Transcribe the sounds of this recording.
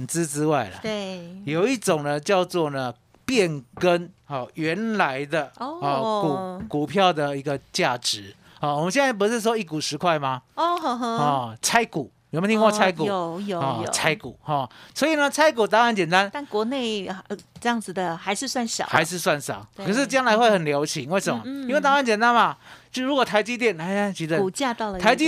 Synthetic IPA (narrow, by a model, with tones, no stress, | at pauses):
nt͡sɹ̩˥˦ʈ͡ʂɻ̩˥wa˥˩ɪlə̰˨˩e˥˩jo˨ʊi˥˩ʈ͡ʂʊ˨˩ŋnə˨t͡ɕjɑ˥˧ʊt͡swɔ˥˨˩nə˩ | pjɛ˥˨nkə˦˥nɔ˥˨˩ɥɛ˨˧˦nla˧˦ɪd̪ə˨˥˧ɔ˨ku˨˩ku˨˩pʰjɑ˥˩ʊd̪ə˨˩i˧˥ɡə˧t͡ɕja˥˨ʈ͡ʂɻ̩˧˦ | ɔ˥˩wmə˦ɕjɛ˥˧nt͡sa˥˩ɪp̬u˧˥ʂɻ̩˥˩ʂ̬wɔ˥i˥˩ku˨˩ʂɻ̩˧˥kʰwa˥˩ɪma˨ɔ˥˧˩ɔ˥˧˩t͡sʰa˥ɪku˨˩˦m˨˩me˧˥˧t̪ʰi˧ŋko˥˧t͡sʰa˥ɪku˨˧˩jo˨˧ɔ̰˥˩˨t͡sʰa˥ɪkṵ˨˩˦xɔ˥˩swo˧˥i˨˩nə˦t͡sʰa˥ɪku˨˩t̪̬a˥ŋɻa˨˧˦nt͡ɕjɛ˨˩nt̪a˦nt̪a˥˩nkwɔ˧˥ne˥˩ɪ˧ʈ͡ʂɤ˥˧jɑ˥˩ŋd͡zɹ̩˩d̪ə˨˩xa˧˥ɪʂɻ̩˥˧swa˥˩nʂɑ̰˨˩˦xaa˧˥ɪʂɻ̩˥˧swa˥˩nʂɑ̰˨˩˦kʰə˨˩ʂ̬ɻ̩˥˧t͡ɕjɑ˥ŋla˧˥ɪxwe˥˩ɪxə˨˩nljɑ˧˥ʊɕʰi˨˦ŋwe˥˩ɪsə˧˦mnmɐ˧˦ii˥nwe˥˩ɪt̪a˥ŋa˧˥˦nt͡ɕɛ˨˩nt̪a˦nba˨t͡ɕɻu˧˥kwɔ˨˩t̪ʰa˧˥ɪt͡ɕi˥t̪jɛ˥˩na˧a˥˧t͡ɕi˧˥d̪ə˧u˨˩t͡ɕja˥˧t̪ɑ˥˨˩ʊə˨t̪ʰa˧˥ɪt͡ɕi˥